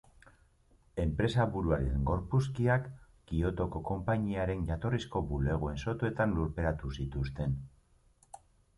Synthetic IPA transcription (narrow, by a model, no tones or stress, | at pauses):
e̞mpɾe̞saβuɾuaɾieŋɡo̞ɾpuskiak | ɡ̥io̞t̪o̞ko̞ko̞mpaɲiaɾe̞nʝat̪o̞risko̞bule̞ɣ̞oe̞nso̞t̪ue̞t̪anluɾpe̞ɾat̪usit̪ust̪e̞n